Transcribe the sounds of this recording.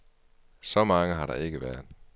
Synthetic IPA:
sɒ̽mɑ̈ŋəɦɑ̈ɾɑ̈e̝ɡ̥əʋæɐðˠ

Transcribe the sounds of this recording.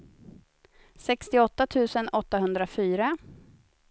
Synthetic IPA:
sɛkst̪ɪɔt̪ːat̪ʰʉ̟ːsənɔt̪ːaɦɵnd̪ɾafyːɾa

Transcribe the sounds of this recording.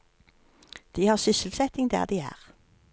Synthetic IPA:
d̪̥iːhɑːʁsʏsəlsɛt̪ɪŋd̪æ̰ːʁd̪iːæ̰ːʁ

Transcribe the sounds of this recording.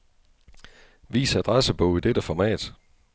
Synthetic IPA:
ʋḭːsæd̥ʁɑsəb̥ɔ̽ʊid̥ed̥əfɒmɛ̰ːd̥

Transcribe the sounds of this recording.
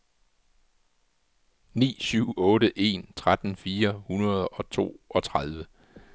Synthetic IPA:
nḭːsyʊ̰ɔ̽ːɾəʔe̝̰ːnt͡sʰʁad̥n̩fiːɐhunɐð̞ˠɒ̽t͡sʰo̝̰ːʔɒ̽t͡sʰʁað̞ˠʋə

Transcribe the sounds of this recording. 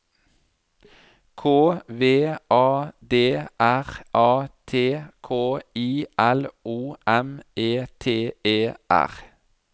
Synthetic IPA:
kʰoːʋeːʔɑːd̪eːʔæʁʔɑːt̪ʰeːkʰoːiːʔɛlʔuːʔɛmeːt̪ʰeːeːʔæ̰ʁ

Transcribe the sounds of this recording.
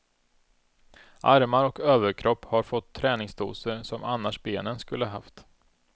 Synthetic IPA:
ʔaɾmaɾɔkøːvəɾkʰɾʔɔpːhaɾfɔt̪ʰːɾɛːnɪŋsd̪ʰṵːsəɾsɔmanːaʂbeːnənskɵlːəɦaft̪

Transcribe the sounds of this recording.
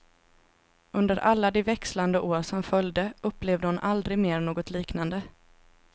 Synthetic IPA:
ɵnd̪əɾʔalːad̪ɛvɛksland̪əʔoːɾʂɔmfœljd̪əɵpːleːvd̪əhʊnʔald̪ɾɪɡmeːɾɳoːɡɔt̪liːknand̪ə

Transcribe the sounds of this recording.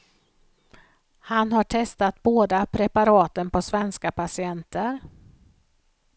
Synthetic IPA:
hanhaʈʰɛst̪at̪̚boːd̪apʰɾɛpaɾɑːt̪ənpʰɔsvɛnskapʰasɪɛnt̪ʰəɾ

